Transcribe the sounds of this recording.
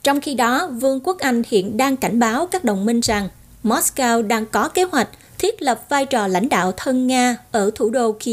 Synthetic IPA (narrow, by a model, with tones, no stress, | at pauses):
t͡ɕɔ˧wŋ͡mxi˧ɗɔ˨˦vɨ˧əŋku˦˥ək̚ʔa˧jŋ̟hḭ˧˨ənɗaː˧ŋka˧˩jŋ̟ɓaː˨˦wkaː˦˥k̚ɗə˨˩wŋ͡mmï˧ŋ̟za˨˩ŋ | mɔ˦˥skaː˧wɗaː˧ŋkɔ˨˦ke˨˦hwa˨˩jk̟̚ | t̪ʰwi˦˥ət̚lə˨˩p̚vaː˧jt͡ɕɔ˨˩la̰˧˥jŋ̟ɗa̰ː˧˨wt̪ʰə˧nŋaː˧ʔəː˧˩t̪ʰu˧˩ɗo˧ki˧